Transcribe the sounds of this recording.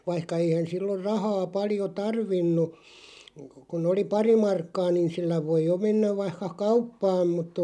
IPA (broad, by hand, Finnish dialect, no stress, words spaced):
ʋɑihkɑ eihæn silːor̆ rɑhɑː pɑljo tɑrʋinːu kun oli pɑri mɑrkːɑː niːn̞ silːæ ʋoij̆ jo menːæʋ ʋɑihkɑ kɑupːɑːm mut